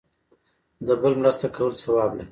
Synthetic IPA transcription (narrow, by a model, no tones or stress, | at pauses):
d̪əbəlmɾast̪akawəlsawɑblaɾi